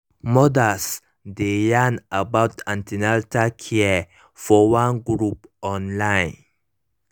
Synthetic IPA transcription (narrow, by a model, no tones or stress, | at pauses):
mɔdas | dejãnabaʊtãntʰinaltakʰiɛ | fɔwãnɡɾupɔ̃nlãɪ̃n